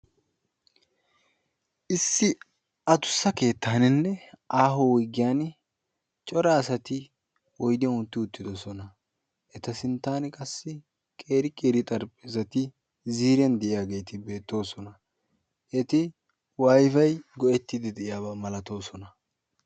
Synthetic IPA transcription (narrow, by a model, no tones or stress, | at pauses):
ʔɪsːɪ | ɐt̪ʊ̥sːɐke̞ːt̪ːaːnɪnːɛʔaːɦowɔɡːɪjaːn | t͡ʃʼɔɾɐːsɐt̪ɪ | wɔjd̪ɪɐʊnt̪ːɪʊt̪ːɪd̪ɔsɔnɐ | ʔɛt̪ɐsɪnt̪ːaːnkʼɐsːɪ | kʼe̞ːɾɪkʼeːɾɪt̪ʼɐɾpʼɪzɐt̪ɪ | ziːɾjɐnd̪ɛʔɪjaːɡe̞ːt̪ɪbe̞ːt̪ːo̞ːsɔnɐ | ʔɛt̪ɪ | wajfɐjɡɔʔɛt̪ːɪd̪ɪd̪ɛʔɪjaːbamɐlɐt̪o̞ːsɔnɐ